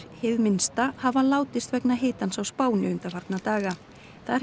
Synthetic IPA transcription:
hɪvmɪnst̪ahavalaːwt̪ɪst̪vɛknaɦeːt̪ansawspaːwnɪʏnt̪afaɾt̪nat̪aːɣa | θaɾ

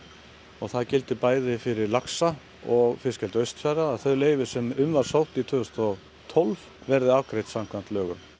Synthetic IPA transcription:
ɔɣθaðcɪl̪t̪ɪpaːjðɪfɪɾɪɾlaksa | ɔɣfɪscɛlt̪œɥst̪fjaɾaːðθœɥleːjvɪsɛmʏmvaɾ̥sawht̪it̪ʰvʏːʏst̪ɔ | t̪ʰɔlv | vɛɾðɪavkɾejt̪sam̥kʰvant̪lœːɣʏm

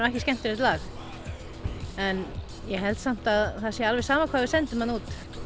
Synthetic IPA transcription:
ɛhcɪscɛm̥t̪ɪɾɪt̪laːx | ɛn | jɛɦɛlt̪sam̥t̪aðθasjɛalvɛsaːmakʰvaːvɪðsɛnt̪ɪmhanuːt̪

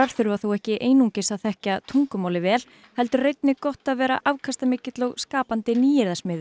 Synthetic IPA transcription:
aɾ̥θʏɾvaθowɛhcɪʔeːjnuɲcɪsaðθɛhcat̪ʰuŋkʏmaːwlɪvɛːl̥ | hɛlt̪ʏɾrejt̪̚nɪkɔht̪aðvɛːɾa̰ʔavkʰast̪amɪːcɪt̪lowɣskaːpant̪ɪniːjɪɾðasmɪːðʏ

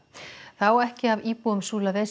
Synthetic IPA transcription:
θawɛhcɪaviːpuʏmsuːlaðe

